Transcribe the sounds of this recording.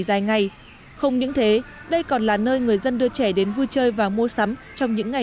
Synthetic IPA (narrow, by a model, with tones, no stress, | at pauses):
zaː˨˩jŋa˨˩j | xə˧wŋ͡mɲɨ̰˧˥ŋt̪ʰe˨˦ɗə˧jkɔ˨˩nlaː˨˩nəː˧jŋɨ˨˩əjzə˧nɗɨ˧ət͡ɕɛ˧˩ɗe˨˦nvɨ˧t͡ɕəː˧jvaː˨˩mu˧əsa˨˦mt͡ɕɔ˧wŋ͡mɲɨ̰˧˥ŋːa˨˩